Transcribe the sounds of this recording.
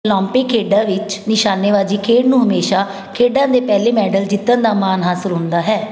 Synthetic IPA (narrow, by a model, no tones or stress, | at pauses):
lɔ̃ːmpeːkʰːeːɖãːʋɪt͡ʃnɪʃaːnːeːʋaːziːkʰeːɖnũːɦəmeːʃaː | kʰeːɖãːd̪eːpɛːleːmɛːɖəld͡ʒɪt̪ːə̃nd̪aːmaːnɦaːsəɾɦʊ̃nd̪aːɦɛː